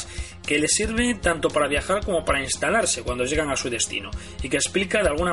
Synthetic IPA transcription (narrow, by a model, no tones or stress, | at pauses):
ke̞le̞siɾβ̞et̪ant̪o̞paɾaβ̞jaxaɾko̞mo̞paɾainst̪alaɾse̞kwand̪o̞ʝe̞ɣaŋasuð̞e̞st̪ḭno | ike̞ːsplikaðealɣuna